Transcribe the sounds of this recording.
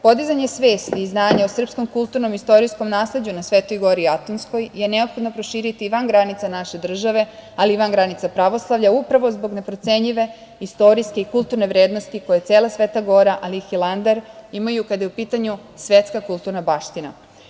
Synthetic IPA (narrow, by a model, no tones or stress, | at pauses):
po̞d̪izaɲe̞sʋe̞ːst̪iːznaːɲaosr̩psko̞mkulˠt̪uɾno̞mist̪o̞ɾisko̞mnaːsle̞d͡ʑunasʋet̪o̞jɡo̞ɾiat̪onsko̞jje̞ne̞o̞pxo̞d̪no̞pɾo̞ʃiːɾit̪iʋanɡɾanit̪sanaʃe̞d̪r̩ʒaʋe̞aliʋanɡɾanit̪sapɾaʋo̞slˠaʋʎaupɾaʋo̞zbo̞ɡne̞pɾo̞t̪se̞ɲʎiʋe̞ | ist̪o̞ɾiskeikult̪uɾne̞ʋɾe̞ːd̪no̞st̪iko̞jetseːlˠasʋeːt̪aɡo̞ɾaʔalixilˠand̪aɾimajukad̪ajeupiːt̪aɲusʋet̪skakulˠt̪uɾnabaːʃt̪ina̰